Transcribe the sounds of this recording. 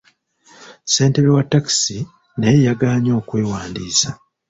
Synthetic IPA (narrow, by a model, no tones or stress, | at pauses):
se̞ːnte̞ɾewatːaki̥si | neːjaɡaːɲo̞ːkwe̞ːwaːndiːsa